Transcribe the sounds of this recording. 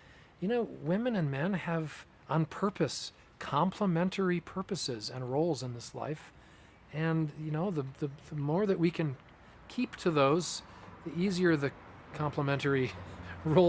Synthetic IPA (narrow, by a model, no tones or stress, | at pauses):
jɨnoʊwɪ̃mɨ̃nɨ̃nmɛ̃nɨv | ə̃npʰɜ˞pɨs | kʰɑ̃mpʰləmɛ̃ntʰə˞ipʰɜ˞pɨsɪzɨ̰̃nɹoʊlˠzə̃nðɪsla̰ɪf | ɨ̃njɨnoʊðəðɨðəmɔɹðɨʔ̚wikʰɨ̃n | kʰiptʰɨðoʊz̥ðiʔiziə˞ðɨkʰɑ̃mpʰləmɛ̃ntə˞iɹoʊ